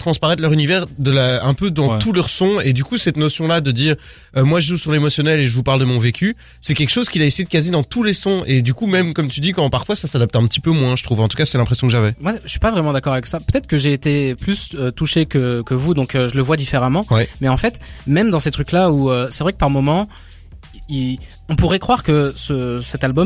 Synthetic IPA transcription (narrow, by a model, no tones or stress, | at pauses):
t̪χɑ̃spaʁɛt̪lœʁynivɛʁd̪əlaɛ̃pød̪ɑ̃t̪ulœʁsɔ̃ed̪ykusɛt̪nɔsjɔ̃lad̪əd̪iːʁ | ømwaʒəʒusyʁlemɔsjɔnɛleʒəvupaʁld̪əmɔ̃vekʲy | sɛkʲɛlkə̥ʃozkʲilaesejed̪əkazed̪ɑ̃t̪ulesɔ̃ed̪ykumɛmkɔmt̪yd̪ikɔ̃paʁfwasasad̪ap̚t̪ɛ̃pət̪ipømwɛ̃ʒət̪χuvɑ̃t̪u̥kasɛɛlɛ̃pχesjɔ̃kəʒavɛmwaəsɥi̥pavʁɛmɑ̃d̪akɔʁavɛksapøt̪ɛt̪χəkəʒeːt̪eplysøt̪uʃekʲəkəvud̪ɔ̃køʒələvwad̪ifeʁamɑ̃wɛmɛɑ̃fɛt̪mɛmd̪ɑ̃set̪χyklauøsɛvʁɛkə̥paʁmɔmɑ̃ | i | ɔ̃puʁɛkχwaʁkəsəsɛt̪albɔm